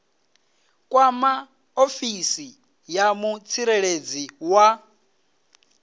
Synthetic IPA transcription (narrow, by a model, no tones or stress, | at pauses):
kʼwama | ofisi | jamut͡sʰiɾeɺed͡ziwa